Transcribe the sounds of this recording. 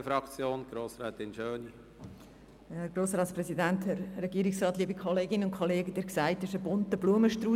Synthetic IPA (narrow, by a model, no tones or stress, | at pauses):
fɾɑkt͡sjoːnɡ̥ɾoːsɾɛːt̪ɪnʃøːni | hɛɾɡ̥ɾoːsɾɑːtspɾɛsidænt̪hɛɾrɛɡiːɾɪksrɑːtliːbikʰɔleːɡɪnəʊnkʰoleːɡəd̥̪eːɾksaɪtːsɪʃəbʊntəbluəməʃtɾuː